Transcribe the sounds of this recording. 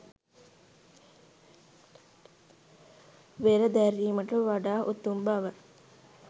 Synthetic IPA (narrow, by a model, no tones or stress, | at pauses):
ʋeɾəd̪æɾiːməʈəʋaɖaːʔut̪ːumbaʋə